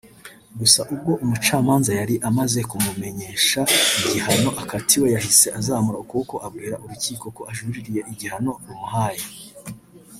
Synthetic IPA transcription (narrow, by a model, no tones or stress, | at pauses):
ɡusaʔubɡo̞ʔumut͡ʃaːmaːnzajaɾiʔamaze̞kumume̞ɲe̞ːʃaiɟihano̞ʔakatʰiwe̞jahise̞ʔazaːmuɾakuko̞ʔab̚ɡiːɾaʔuɾuciːko̞ko̞ʔaʒuɾiɾije̞ʔiɟihano̞ɾumuɦaːje